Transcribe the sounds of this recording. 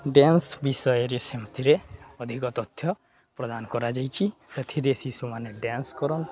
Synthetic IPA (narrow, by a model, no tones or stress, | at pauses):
ɖjansbisɔjɔɾisemɔt̪ʰiɾeɔd̪ʱikɔt̪ɔt̪ʰjɔ | pɾɔd̪anɔkɔɾad͡ʒajt͡ʃʰiset̪ʰiɾesisumaneɖjanskɔɾɔn